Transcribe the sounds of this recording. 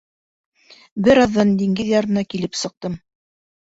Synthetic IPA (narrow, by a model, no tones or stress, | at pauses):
bɘɾɑðːɑnd̪iŋɡɘðjɑɾɤ̆nɑkilɘpsɤ̆q̚t̪ɤm